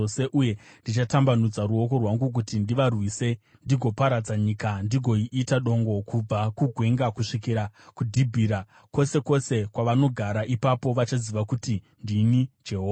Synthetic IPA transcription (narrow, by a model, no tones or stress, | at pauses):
ose̞ʔuje̞ndit͡ʃatambanud͡zaɾuo̞ko̞rwaŋɡuk̬utindiʋarwise̞ | ndiɡʱo̞paɾad͡zaɲikandiɡʱo̞iʔitaɗo̞ŋɡo̞kub͡vakuɡʱwe̞ŋɡakuʂikiɾakudʱibʱiːɾa | ko̞se̞ko̞se̞kwaʋano̞ɡʱaɾaʔipapo̞ʋat͡ʃaziʋakuti | ndinid͡ʒeɦo